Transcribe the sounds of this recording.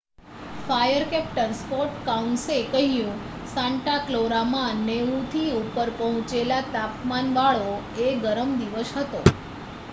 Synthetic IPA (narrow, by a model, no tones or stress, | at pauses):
fajəɾkɛp̚ʈɾənspoɾʈkaunsekəɦijũ | sãɳʈakloɾamãneũt̪ʰiupəɾpəɦʊ̃t͡ʃelat̪apmanʋaɭo | eɡəɾəmd̪iʋəsɦət̪o